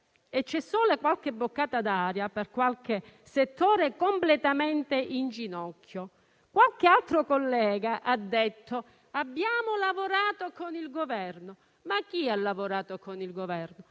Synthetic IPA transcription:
et͡ʃːɛsːoːlakwalk̟ebːokːaːt̪ad̪aːɾjaperkwalkeset̪ːoːɾekomplet̪amɛnt̪eʔind͡ʒinɔkʰːjo | kwalkealt̪ɾokolːɛːɡaʔad̪ːet̪ʰːo | abːjaːmolavoɾaːt̪okonilɡovɛrno | makːialːavoɾaːt̪okonilɡovɛrno

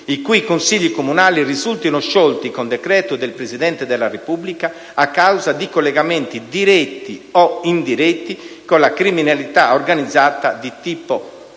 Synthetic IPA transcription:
ikuikonsiʎːikomunaːlirizult̪inʊʃɔlt̪ikɔnd̪ɛkɾɛːt̪ud̪ɛlpɾezid̪ɛnt̪ɛd̪ɛlːarepublikaː | kːawzad̪ikolːɛɣamɛnt̪id̪iɾɛt̪ːiɔind̪iɾɛt̪ːikɔlakɾiminalit̪aɔrɡanid̪zːat̪ad̪it̪iːpo

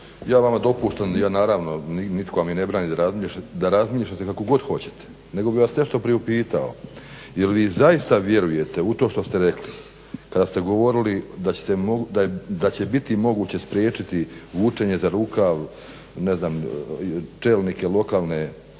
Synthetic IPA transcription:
jaːʋamad̪o̞puːʃt̪anjaːnaːɾaːʋno̞ninit̪koʋamine̞bɾaːnid̪aɾazmiːʃad̪aɾazmiːʃʎat̪ekako̞ɡo̞d̪xo̞t͡ɕe̞̥t̪e̥ | ne̞ɡo̞biʋasne̞ʃt̪o̞pɾieupiːt̪ao̞̰ | jelʋiːzaist̪aʋje̞ɾuje̞t̪e̞ut̪o̞ːʃt̪o̞st̪e̞ɾe̞kli | kad̪aːst̪e̞ɡo̞ʋo̞ɾilid̪at͡ɕe̥t̪emod̪ajd̪at͡ɕe̞bit̪imo̞ɡuːt͡ɕe̞spɾje̞ːt͡ʃit̪iʋuːt͡ʂe̞ɲe̞zaɾuːkaʋ | ne̞znaːm | t͡ʃelnike̞lˠo̞kaːlˠne̞

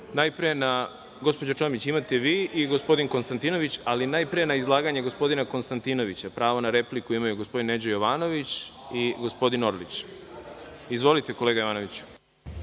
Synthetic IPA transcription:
najpɾije̞na | ɡo̞spod͡ʑot͡ʃomit͡ɕimat̪eʋiːʔiɡospo̞d̪inko̞nst̪ant̪ino̞ʋit͡ɕalinaːjpɾije̞naizlˠaːɡaɲeɡo̞spo̞d̪inako̞nst̪ant̪ino̞ʋit͡ɕapɾaːʋo̞naɾe̞plikuimajuɡospo̞d̪ined͡ʑojo̞ʋaːno̞ʋit͡ɕiɡo̞spo̞d̪ino̞ɾlit͡ɕ | izʋo̞lit̪eko̞leːɡajoaːnoʋit͡ɕu̥

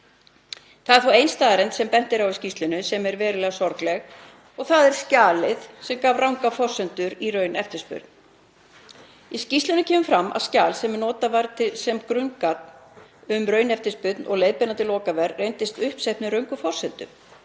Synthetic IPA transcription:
θaðɛɾθfawejnst̪aːðɾɛnt̪sɛmpɛn̥t̪ɪɾawiscist̪lʏnʏsɛmɛɾvɛːɾɪlɛːɣasɔɾklɛɣ | ɔɣθaðɛɾ̥scaːlɪðsɛmkaːvrawŋkafɔr̥sɛnt̪ʏɾirœːɥnɛft̪ɪ̥spʏ̰ɾt̪n̥ | iscist̪lʏnʏcʰɛːmʏmfɾamːʔa̰vscaːlsɛmnɔːt̪avaɾt̪ʰɪlsɛmkɾʏŋkat̪nʏmrœːɥnɛft̪ɪspʏt̪nɔ̰ɣlejðpɪnant̪ɪlɔːkavɛrːejnt̪ɪst̪ʏhpsɛjhpnɪɾœɥŋkʏfɔr̥sɛnt̪ʏ̰m

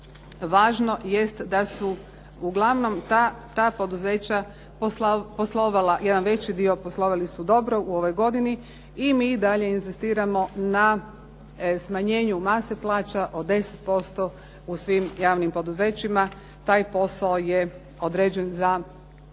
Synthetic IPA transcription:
ʋaːʒno̞je̞st̪d̪asu | uɡlˠaʋno̞mt̪at̪aːpo̞d̪uze̞ːt͡ɕa | posposlˠoʋalajed̪anʋe̞t͡ɕid̪io̞poslˠo̞ʋalisud̪o̞bɾo̞uo̞ʋo̞jɡo̞d̪ini | imiːd̪aʎe̞inzist̪iːɾamo̞na | smaɲe̞ːɲumaːseplˠaːt͡ɕaʔo̞d̪e̞set̪po̞st̪o | usʋimjaːʋnimpo̞d̪uze̞ːt͡ɕima | t̪aːjpo̞saoje | o̞d̪ɾeːd͡ʑe̞nza

